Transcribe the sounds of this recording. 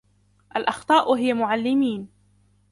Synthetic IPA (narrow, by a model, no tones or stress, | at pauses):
ʔalʔɑxt̪ˤɑːʔɦɪjamʊʕalːɪmiːn